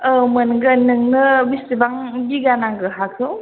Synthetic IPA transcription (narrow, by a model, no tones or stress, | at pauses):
əmənŋɡənɯŋnɯbistibaŋɡiɡanaŋɡɯɦakʰɯw